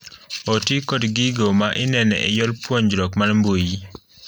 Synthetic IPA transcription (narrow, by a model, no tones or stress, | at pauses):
otikɔdɡiɡomaʔɪnɛnɛ̰ɪ̰jɔlpwɔɲd͡ʒɾɔkmalmboji